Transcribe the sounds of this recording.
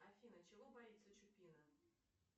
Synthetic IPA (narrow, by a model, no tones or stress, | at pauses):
afʲinɐt͡ʃaɣɔbajit̪sːɐt͡ʃupʲinɐ